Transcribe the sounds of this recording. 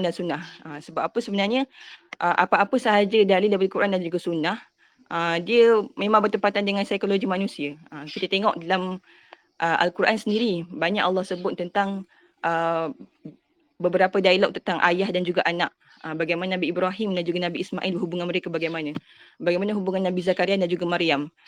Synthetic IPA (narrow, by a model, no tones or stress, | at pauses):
ndansunahəsəbap̚apəsəbənarɲəʔəʔapaʔapəsəɦad͡ʒədalidabəlilkuɾʔandand͡ʒuɡasunah | ʔədiəmẽmãŋbərt̪əmpat̪andəŋansajkoloɡimanũsiəəkit̪ət̪eŋɔʔdalam | ʔəʔa̰lkuɾʔa̰nsəndiɾibaɲa̰ʔɑlˠːɑhsəbʊt̪̚ːənt̪aŋ | ʔə | bəbəɾapədailaʔ̚t̪ənt̪aŋʔa̰jahdand͡ʒuɡaʔanaʔ̚ | əbaɡajmannabiːbɾaɦimdand͡ʒuɡanabiːsma̰ʔilbəɦubuŋanməɾekabaɡajmana | baɡajmanəɦubuŋanːabizakaɾiandand͡ʒuɡamaɾiam